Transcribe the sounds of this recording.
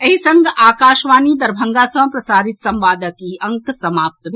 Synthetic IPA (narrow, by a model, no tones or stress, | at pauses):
ɐɦisɐŋɡʱaːkaːʃʋaːnid̪ɐɾbʱɐ̃ŋɡaːsɐ̃pɾɐsaːɾit̪sɐmʋaːd̪əkiɐ̃ŋksɐmaːp̚t̪bʱ